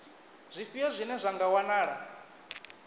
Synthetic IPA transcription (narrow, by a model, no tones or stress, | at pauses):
z̥ʷifijazʷinɛzʷaŋɡawanaːɺa